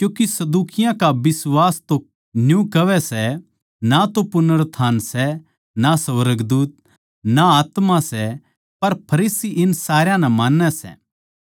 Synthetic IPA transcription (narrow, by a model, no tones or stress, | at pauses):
kjũːkisɐd̪uːkɪjãkabɪswaːst̪o | njũkɐʋɛsɛ | nat̪opʊnəɾt̪ʰaːnsɛ | nasɐʋəɾəɡd̪uːt̪̚ | naaːt̪masɛ | pɐɾpʰɐɾiːsiʔɪnsaːɾjãnɛmãːnːɛsɛ̰ː